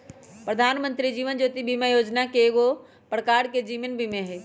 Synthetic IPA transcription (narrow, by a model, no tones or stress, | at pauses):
pɾəd̪ʱaːnmə̃nt̪ɾid͡ʒiːʋənd͡ʒoːt̪ibʱimajoːd͡ʒnakeːɡo | pɽkaːɽked͡ʒiːʋənbʱimẽɦɛː